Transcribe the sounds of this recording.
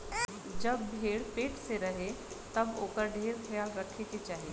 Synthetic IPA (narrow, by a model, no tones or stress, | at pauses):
d͡ʒəbːʱeːɽpeːʈseɾəɦe | t̪əboːkəɾɖʱeːɾkʰəjalɾəkʰːeket͡ʃaːɦe